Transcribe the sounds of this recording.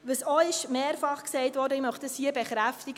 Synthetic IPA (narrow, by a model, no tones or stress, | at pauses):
ʋəsɔɪʃmeːɾfɑχksɛɪtvʋɔːɾdəɪmœχtəshiəbɛχɾæftiɡ